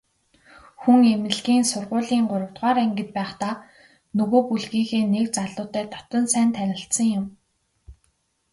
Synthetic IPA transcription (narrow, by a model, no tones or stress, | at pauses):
xuŋemɘ̆ɮɣiːnsʊrʁʊːɮiːŋɢʊɾə̆w̥t̪ʁaːɾeŋɡɘ̆t̪̚pæːχt̪aː | nɵɣoːpuɮɣiːxeːnekt͡saɮʊːt̪æːt̪ʰɔ̥t̪ə̆nsæːnt̪ʰænʲɪ̆ɬt̪sə̆ŋjʊm